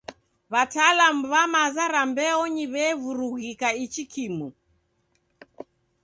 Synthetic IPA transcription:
βatalamuβamazaɾambɛɔɲiβɛvuɾuɣikait͡ʃikʰimu

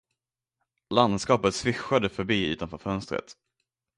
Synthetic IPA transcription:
land̪skɑːpət̪svɪɧad̪əfœɾbiːʉ̟ːt̪anfœːɾfœnst̪ɾə̰t̪

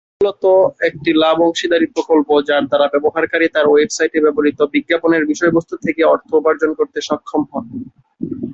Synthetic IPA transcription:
mulot̪oek̚ʈilabɔŋʃid̪aɾipɾokolpod͡ʑaɾd̪aɾabɛboɦaɾkaɾit̪aɾwebsajʈebɛboɾit̪obiɡːaponeɾbiʃɔebost̪ʰut̪ʰekeɔɾt̪ʰobaɾd͡ʑonkoɾt̪eʃɔkʰːomɦɔn

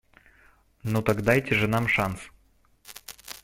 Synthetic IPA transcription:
not̪ɐɡd̪ajtʲɪʐɨnamʂans

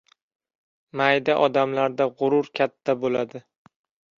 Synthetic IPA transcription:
majd̪aʔɒd̪amlaɾd̪aʁʊɾʊɾkʲʰat̪ʰːabolad̪ɪ

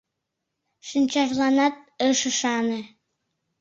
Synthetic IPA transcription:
ʃənt͡ɕɑʒlˠɑnɑt̪̚əʃəʃɑne

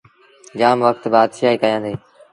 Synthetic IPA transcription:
d͡ʒaːmʋək̚t̪baːd̪ʃaːɦiːkəjãːd̪eː

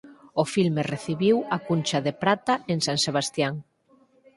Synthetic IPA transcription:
ofilmereθiβiwakunt͡ʃaðepɾat̪aeŋsaŋseβ̞ast̪jaŋ

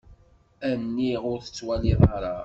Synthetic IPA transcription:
ænːiʁʊɾθə̥t͡sːwæliðˤɑɾˤɑ

